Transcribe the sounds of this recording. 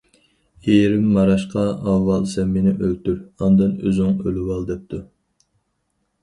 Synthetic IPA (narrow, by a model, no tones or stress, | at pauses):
eɾɪmːɑɾɑʃqɑɑvːɑlˠsɛmːɪnɪʔølt̪yɾɑnd̪ɨnøzɪŋølɪwɑlˠd̪ɛp̚t̪ʰu